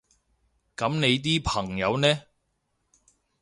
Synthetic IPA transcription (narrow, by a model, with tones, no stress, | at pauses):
kɐ˨˥mne˨˧jt̪̬iː˥pʰɐ˨˩ŋjɐ˨˧wnɛː˥